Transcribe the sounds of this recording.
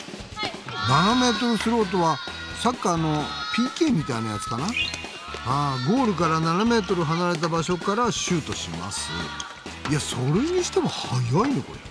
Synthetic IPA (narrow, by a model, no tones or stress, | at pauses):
naname̞ːt̪̬o̞ɾɯ̟sɨɾo̞ːt̪̬o̞βa | sakːaːno̞pʲiːke̞ːmʲit̪ainajat͡sɨ̥kana | haːɡo̞ːɾɯ̟kaɾananame̞ːt̪̬o̞ɾɯɦanaɾe̞t̪̬abaɕo̞kaɾaɕɨːt̪o̞ɕḭma̰sɨ̰ | iaso̞ɾe̞ɲ̟iɕi̥t̪e̞mo̞hajainoko̞ɾe